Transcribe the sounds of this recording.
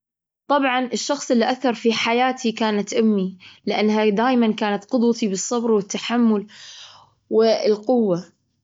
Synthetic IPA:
t̪ˤɑbʕɑnɪʃːɑxsˤʔɪlːiʔaθɑɾˤfiħajaːt̪ʰikaːnat̪ʔʊmːilɪʔanːhad̪aːʔmankaːnat̪qʊd̪wɑt̪ibɨsˤːɑbɾwɪt̪ːaħamːʊl | wɪlqʊwːa

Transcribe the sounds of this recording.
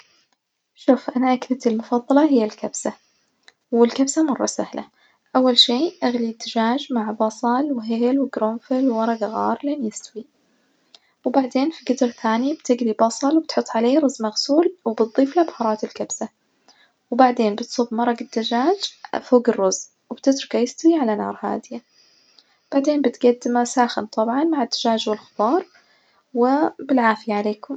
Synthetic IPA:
ʃuːfʔanaʔaklat̪ɪlmʊfɑðˤːɑlɑɦɪjːalkabsa | wɪlkabsamɑrˤːɑ̰sahla̰ | ʔawːalʃeːʔaɣlid̪ːad͡ʒaːd͡ʒmaʕbɑsˤɑlwɪɦɪːlwɪɡɾomfɪlwːɑɾˤɑɡaɣɑːɾˤleːnjɪst̪awi | wbaʕd̪eːnfiɡɪd̪ɾθaːnibt̪ɪɡɾibɑsˤɑlwbɪt̪ħʊt̪ˤːʕaleːɾˤʊzmaɣsuːlwbɨt̪̚d̪ˤːiːflabħɑɾˤɑːt̪ɪlkabsa | wbaʕd̪eːnbɪt̪sˤubmɑɾˤɑɡad̪ːad͡ʒaːd͡ʒfoːɡɪrːʊz | wɪb̥t̪ɪt̪ɾʊkajɪst̪awiʕalanɑ̰ːɾˤha̰ːd̪ɪja | b̥aʕd̪eːnbɪt̪ɡad̪ːɪmasaːxɪnt̪ˤɑbʕɑnmaʕɪd̪ːaʒaːd͡ʒwɪlxɪbɑːɾˤ | wɪbɪlʕaːfɪjaʕaleːkʊm

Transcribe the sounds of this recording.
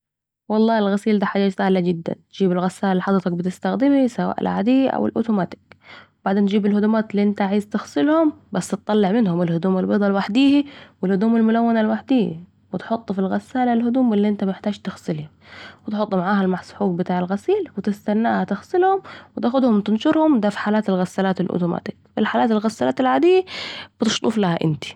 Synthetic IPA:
wɑlˤːɑːɪlɣasiːld̪aːħad͡ʒaːt̪saːlad͡ʒɪd̪ːa̰nt̪d͡ʒiːbɪlɣasːaːlaħɑd̪ˤɾt̪ɑk̚bɪt̪ɪst̪axd̪ɪmisawa̰ːʔɪ̰lʕa̰d̪iːʔa̰wɪ̰lʔʊ̰ːt̪umaːt̪ɪ̥kwbaʕd̪eːnt̪d͡ʒiːbɪlhʊd̪uːmaːt̪ɪlːiʔɪnt̪aaʕaːzt̪ɪxsˤɪlhʊmbasːt̪ɨt̪ˤːɑlːɪʕmɪnhʊmɪlhʊd̪uːmɪlbɨd̪ˤɑlwaħd̪iːhiwɪlhʊd̪uːmalmʊlawːanalwaħd̪iːhḭ | wɪt̪ħʊt̪ˤːfilɣasːaːlalhʊd̪uːmɪlːiʔɪnt̪amɪħt̪aːʒt̪ɪxsɪlhɪ | wɪt̪ħʊt̪ˤːʊmaʕaːhalmaħsˤħuːɡ̚bɪt̪aːʕɪlɣasiːlwɪt̪ɪst̪anːaːhat̪ɪxsɪlhʊmwɪt̪aːxʊd̪hʊmt̪ɪnʃʊɾhʊmd̪aːfi̥ħaːlaːt̪alɣasːalaːt̪ɪlʔʊ̰ːt̪ʊma̰ːt̪ɪ̥kfilħaːlaːt̪alɣasːalaːt̪alʕaːd̪ɪjːab̥ɪt̪ɪʃt̪ˤuːflahaʔɪ̰nt̪i̥

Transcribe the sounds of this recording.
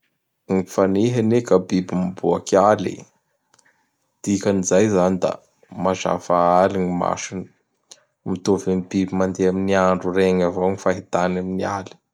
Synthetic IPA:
ŋifaneɦanekəbibimbuakialḭ | d̪̥ikanizajzanid̪a̰ | maza̰faaliŋima̰ʃini̥ | mit̪ovenibibimand̪eaminiaɳɖ͡ʐureŋavowŋifaɦit̪anaminiali̥

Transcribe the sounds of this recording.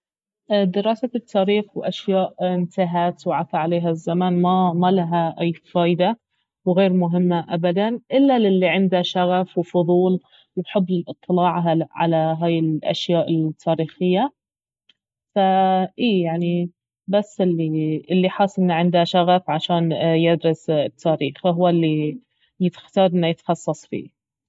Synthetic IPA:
ʔd̪ɪɾˤɑːsaɪt̪ʰːaːɾiːxwʔaʃjaːʔɪnt̪ɪɦaːt̪wʕaθaʕaleːɦazːamaːnmamalaɦaʔajfaːjd̪a | wɣeːɾmʊɦɪmːaʔabad̪anʔɪlːalɪlːiʕɪnd̪aʃaɣafwfʊðˤuːl | wbħɪbːlɪlʔɨt̪ˤːɨlɑːʕɦaʕa̰laɦaːjɪlʔa̰ʃjaːʔɪlt̪ʰːaːɾiːxɪjːa | faʔiːjaʕni | basːɪlːiɪlːiħɑːsˤʔɪnːaʕɪnd̪aʃaɣafʕaʃaːnjɪd̪ɾɪst̪ʰːaːɾiːxɦʊwːalːi | jɪt̪xt̪ɑːɾˤʔɪnːajɪt̪xɑsˤːɑsˤfḭː

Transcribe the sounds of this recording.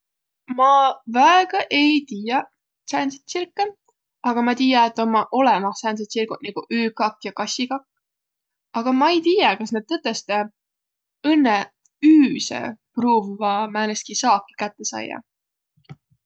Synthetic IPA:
mɑvæeɡ̥ɑʔe̞jt̪iːjɑ | sænse̥t̪sirkːe | ɑɡ̥ɑmɑt̪iːjɑet̪ːˑo̞mːɑʔo̞lemɑsæːns̬et̪sirɡut̪neɡ̥uʔyːkɑkːjɑkɑsʲikɑkː | ɑɡ̥ɑmɑejt̪ijɑkɑsned̪̥̚t̪ːɤt̪ːˑe̞st̪e | ɤnːe | yːsḛpruːvɑmæːneskisɑːkːi̥kæt̪ːe̞sɑ̰jːɑ̰

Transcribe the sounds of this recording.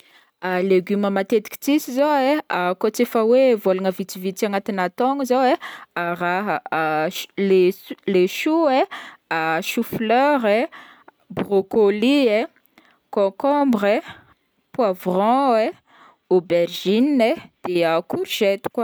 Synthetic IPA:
aleɡyməmat̪et̪i̥kʲi̥t͡sisizoeakot͡sefəwevolaŋəvit͡sivit͡saŋat̪inat̪ɔŋəzowearaɦə | leleʃueaʃuflœɾe | brokolie | kɔ̃kɔ̃mbɾe | pwavrɔ̃e | oberʒinːed̪̥eəkuɾʒ̥ɛt̪u̥kwa

